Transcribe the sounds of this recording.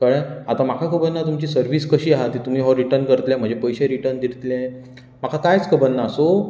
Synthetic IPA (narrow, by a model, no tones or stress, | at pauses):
kəɽə̃at̪ãmakʰakəbənːat̪umt͡ɕiːsəɾʋiːskəɕiːaɦat̪ːit̪um̤iːɦɔɾiʈəɾnkəɾt̪ljam̤əɳd͡ʑepəjɕeɾiʈəɾnd̪iɾt̪lɛ | makʰakajt͡skəbənːaːso